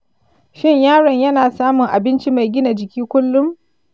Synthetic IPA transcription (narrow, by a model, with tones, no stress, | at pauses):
ʃɪ˦ɲjaː˦ɽɐ˨ɲjɐ˦naː˨saː˦mʊ˨ŋʔa˨bɪ˦nt͡ʃi˦ma˨jɡʲɪ˦na˨d͡ʒɪ˨kʲiː˦kʷʊ˦lːʊ˦m